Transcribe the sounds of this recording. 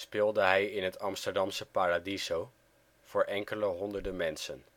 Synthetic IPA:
spɪːlˠdəɦɛjɪnɦətʰɑmstəɹdɑmsəpaːradizow | v̥ʊːɹʔɛŋkələɦɔndəɹdənmɛnsən

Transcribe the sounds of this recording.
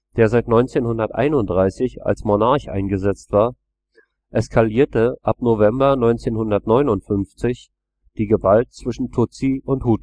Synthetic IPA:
d̥eːɐzaɪtnɔʏnt͡seːnhʊndɐtʔa̰ɪnʊnt̚d̥ʁaɪsɪça̰lsmonaɐçʔa̰ɪnɡəzɛt͡stv̥aːɐ | ʔɛskʰaliːɐtəʔapnovɛmbɐnɔʏnt͡seːnhʊndɐtnɔʏnʊntfʏnft͡sɪç | d̥iːɡəvalt̚t͡sv̥ɪʃn̩tʰʊt͡siʊnthut

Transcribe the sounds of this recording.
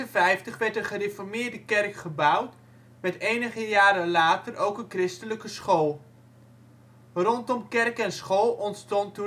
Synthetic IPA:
ənvɛjftəχʋɛɹtəχərefɔrmɪːrdəkɛrkχəbʌwt | mɛtejnəχəjaːɾəlaːtərʔowkənkrɪstələkəsχolˠ | rɔntɔmkɛrkɛnsχolˠɔntstɔntu

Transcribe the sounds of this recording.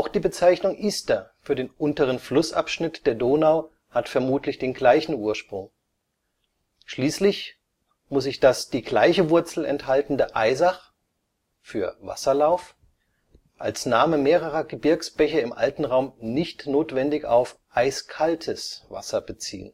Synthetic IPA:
ʔaʊxd̥iːbət͡saɪçnʊŋʔiːstɐfyːɐdeːnʔʊntəʁ̞ənflʊsʔa̰pʃnɪtd̥eːɐdoːnaʊ | hatfɛɐmuːtlɪçd̥eːnɡlaɪçn̩uːɐʃpʁ̥ʊŋ | ʃliːslɪç | mʊsɪçd̥asd̥iːɡlaɪçəvʊɐt͡sl̩ɛ̰nthaltn̩dəʔaɪzaχ | fyːɐva̰sɐlaʊf | ʔa̰lsnaːməmeːʁ̞əʁɐɡəbɪɐksb̥ɛçɐɪmʔa̰ltn̩ʁaʊmnɪçtnoːtv̥ɛndɪçaʊfʔaɪskʰaltʰəsv̥a̰sɐbət͡sḭːə̰n

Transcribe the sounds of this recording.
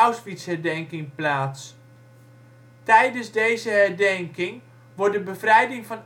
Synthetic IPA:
ɔwsʋitshɛɹdɛŋkɪŋplaːts | tɛjdənzdejzəɦɛɹdɛŋkɪŋ | ʋɔɹdəbəvrɛjdɪŋfɔn

